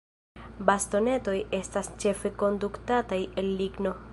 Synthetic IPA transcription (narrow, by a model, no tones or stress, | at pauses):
basto̞ne̞to̞je̞stast͡ʃe̞fe̞ko̞nduktataje̞lːiɡno̞